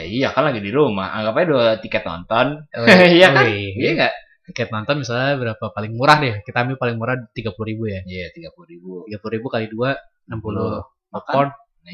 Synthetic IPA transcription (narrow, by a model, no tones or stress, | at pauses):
ijakanlaɡidiɾuma̰ha̰ŋɡapaɲduat̪ikɛt̪̚nɔ̰nt̪ɔnijakaaŋaʔ | t̪ikɛt̪̚nɔnt̪ɔnmisalɲabəɾapapalɪŋmuɾahdɛhkit̪aambɪlpalɪŋmuɾaht̪iɡapuluɾibujajat̪iɡapuluɾibuiɡapuluɾibukalidua | nampulu | lɔkɔn